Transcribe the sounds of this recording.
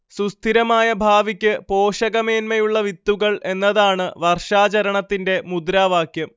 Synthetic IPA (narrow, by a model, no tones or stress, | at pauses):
sust̪ʰiɾɐmaːjɐbʱaːʋikʲːɨpo̞ːʂɐɣɐme̞ːnmɐjuɭːɐʋit̪ːuɣɐɭʔe̞nːɐðaːɳɨʋɐrʂaːt͡ɕɐɾɐɳɐt̪ːinde̞mud̪ɾaːʋaːkʰjɐm